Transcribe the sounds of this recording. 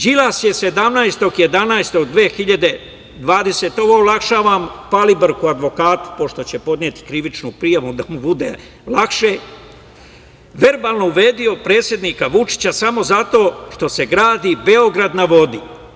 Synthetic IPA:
d͡ʑilasje̞se̞d̪amnajst̪o̞ɡje̞d̪anajst̪o̞ɡd̪ʋeːxiʎad̪e̞ | d̪ʋaːd̪e̞set̪o̞ʋo̞olˠakʃaːʋampalibɾkuad̪ʋo̞kaːt̪u̥po̞ʃt̪o̞t͡ɕe̞po̞d̪nʲie̞ːt̪i̥kɾiʋit͡ʃnupɾijaʋud̪amubud̪e̞̰ | lakʃe̞ | ʋe̞ɾbaːlˠno̞uʋe̞ːd̪io̞pɾe̞ːt̪sʲjed̪niːkaʋut͡ʃi̥t͡ɕasamo̞zat̪o̞ːʃt̪o̞se̞ɡɾaːd̪ibe̞o̞ɡɾad̪naʋo̞d̪i

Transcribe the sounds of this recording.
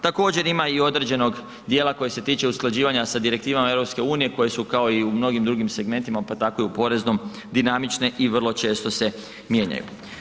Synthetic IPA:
t̪ako̞ːd͡ʑe̞ɾimaio̞d̪ɾe̞d͡ʑe̞no̞ɡ | d̪jeːlˠako̞jese̞t̪iːt͡ʃe̞usklˠad͡ʑiːʋaɲasad̪iɾek̚t̪iːʋamae̞ʋɾo̞pske̞uːnije̞ko̞je̞sukao̞iumno̞ɡimd̪ɾuɡimse̞ɡme̞nt̪imapat̪akojupo̞ɾe̞zno̞m | d̪inamit͡ʃne̞ʔiʋr̩lˠo̞t͡ʃe̞ːst̪o̞se̞ | mje̞ːɲa̰jṵ

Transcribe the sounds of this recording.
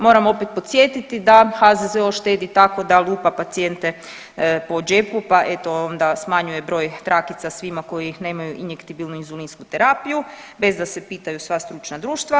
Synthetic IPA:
mo̞ːɾamo̞pet̪̚pot̪sʲje̞t̪it̪id̪axazezeoʃt̪eːd̪it̪ako̞d̪aluːpapat̪sie̞nt̪e̞ | po̞d͡ʒe̞pupaʔe̞t̪o̞ond̪asmaɲuje̞bɾo̞ːjt̪ɾʔakit̪sasʋimako̞jine̞ːmajuʔinje̞kt̪ibilˠnuinzulinskut̪eɾapiju | be̞zd̪ase̞piːt̪ajusʋast̪ɾut͡ʃnad̪ɾuːʃt̪ʋa

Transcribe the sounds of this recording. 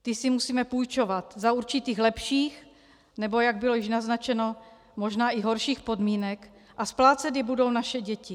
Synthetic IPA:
t̪ɪsɪmusiːmɛpujt͡ʃo̞vat̪zauɾt͡ʃɪt̪iːxlɛpʃiːx | nɛbo̞jaɡ̚bɪlo̞jɪʃnaznat͡ʃɛno̞ | mo̞ʒnaːʔɪɦo̞ɾʃiːxpo̞dmiːnɛk | ʔasplaːt͡sɛd̪jɛbudo̞wnaʃɛɟɛcɪ

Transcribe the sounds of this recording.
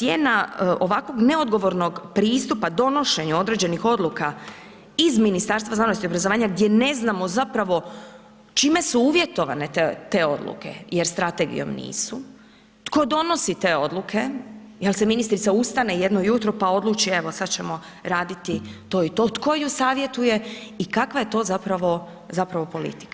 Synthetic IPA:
jeːnao̞ʋakʋo̞ɡne̞o̞d̪ɡo̞ʋo̞ɾno̞ɡpɾiːst̪upad̪o̞no̞ʃe̞ɲuo̞d̪ɾe̞d͡ʑe̞nixo̞d̪luka | izminist̪aːɾst̪ʋaznanosiobɾazoʋaːɲaɡd̪je̞ne̞znamo̞zapɾaʋo̞ | t͡ʃime̞suuːʋjet̪o̞ʋa̰ne̞t̪et̪e̞o̞̰d̪lˠṵke̞̰jeɾst̪ɾat̪e̞ɡḭo̰mnḭːsu | t̪ko̞d̪o̞no̞sit̪e̞ːo̞d̪lukʰe̞jelˠse̞minist̪ɾit̪saust̪ane̞je̞d̪nojut̪ɾopao̞d̪lˠut͡ʃieʋo̞sad̪t͡ɕe̞mo̞ | ɾaːd̪it̪it̪o̞ːit̪o̞t̪ko̞jusaːʋje̞t̪uje̞ikakʋaje̞t̪o̞ːzapɾaʋo̞ | zapɾaʋo̞po̞lḭt̪i̥kḁ

